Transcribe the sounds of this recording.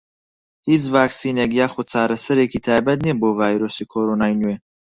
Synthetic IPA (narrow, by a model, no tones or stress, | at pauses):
hizvaksinɛɡijaχɔt͡s̪ʰaɾɛsəɾɛkʰit̪ʰɛbɛd̪niɛbɔvaiɾɔsikʰɔɾɔnainuɛ